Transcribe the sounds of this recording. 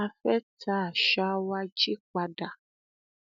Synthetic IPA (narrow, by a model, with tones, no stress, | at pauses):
a˧fɛ˦ta˦˨ʃa˧wa˧d͡ʒi˦k͡pa˧da˨